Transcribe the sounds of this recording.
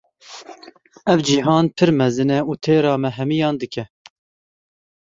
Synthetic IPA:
ɛvd͡ʒiɦɑːnpʰɨɾmɛzɨnɛuːt̪ʰeːɾɑːmɛɦɛmijɑːnd̪ɨkɛ

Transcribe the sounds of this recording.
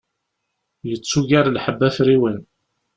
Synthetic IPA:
jət͡sːuʝaɾlħəbːæfɾiwən

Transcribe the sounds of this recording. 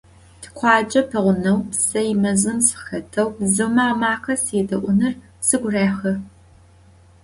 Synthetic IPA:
tʰɨ̥qʷʰɑːt͡ʃʼɐpʰɐʁʷʊnɐwsɐjmɐzɨmsxɐtʰɐwzɨmaːmaːxɐsedɐʔʷʊnɨr | sɨɡʷʊraːxɐ

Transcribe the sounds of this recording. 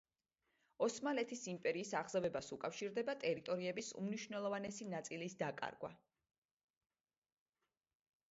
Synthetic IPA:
ɔsmalɛt̪ʰisimpʼɛɾiːsaʁzavɛbasukʼafʃiɾd̪ɛbat̪ʼɛɾit̪ʼɔɾiɛbisṵmniʃvnɛlˠɔvanɛsinat̪sʼilisd̪akʼa̰ɾɡwa̰

